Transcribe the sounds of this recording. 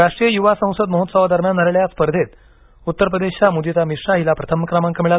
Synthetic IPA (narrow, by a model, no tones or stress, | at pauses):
ɾaʂʈɾijəjuʋasə̃w̃səd̪məɦot̪saʋad̪əɾmjanːəɾeɭjaspəɾd̪ʱet̪ | ut̪ːəɾpɾəd̪eɕjamud̪it͡s̪amiʂɾaɦilapɾət̪ʰəməkɾamãŋkəmiɭal